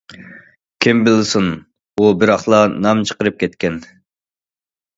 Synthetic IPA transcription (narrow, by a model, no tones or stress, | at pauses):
kʲʰimbɪlsun | ubɪɾɑχlˠɑnɑmt͡ʃʰə̥qəɾɨp̚kʲʰɛt̪kʲɛn